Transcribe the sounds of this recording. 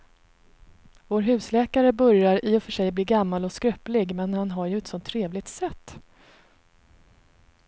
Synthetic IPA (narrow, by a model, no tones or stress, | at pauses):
voːɾɦʉ̟ːslɛːkaɾəbœɾjaɾɪːɔfœʂɛjbliːɡamːalɔskɾœpːlɪɡmɛnhanɦaɾjɵɛt̪sɔnt̪ʰːɾeːvlɪɡ̚t̪sɛt̪ː